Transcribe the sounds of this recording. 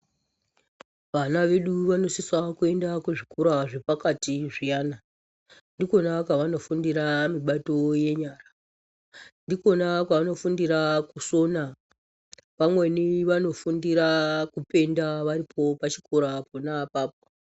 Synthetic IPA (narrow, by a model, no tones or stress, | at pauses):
ʋanaʋe̞ɗuʋano̞siswakue̞ndakuʐikuɾaʐe̞pakatiʐijaːna | ndiko̞nakwaʋano̞fundiɾamiɓato̞je̞ɲaːra | ndiko̞nakwaʋano̞fundiɾakuso̞na | ʋamwe̞niʋano̞fundiɾakupe̞ndaʋaɾipʰo̞pat͡ʃi̥koɾaponapaːp̚o